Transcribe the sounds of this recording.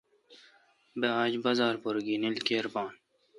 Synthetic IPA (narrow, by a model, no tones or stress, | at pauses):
beaːd͡ʑbɐzɑːɾpoɾɡiːnilkeːɾpɑːn